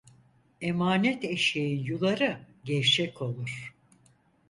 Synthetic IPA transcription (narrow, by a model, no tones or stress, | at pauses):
emaːnɛt̪eʃejinjulˠaɾɯ | ɟɛɾt͡ʃʰɛkʰo̞lˠuɾ̥